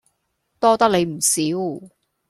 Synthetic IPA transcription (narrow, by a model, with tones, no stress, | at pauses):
t̪ɔː˥t̪ɐ˥k̚le˨˧jm̩˨˩siː˨˥w